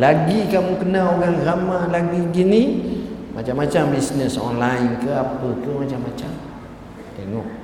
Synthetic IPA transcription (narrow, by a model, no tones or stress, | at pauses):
laɡikamukənaoɣaŋramalaɡiɡinimat͡ʃamːat͡ʃambisnəsɔ̰nlainkəapəkəmat͡ʃamːat͡ʃam | t̪eŋɔʔ̚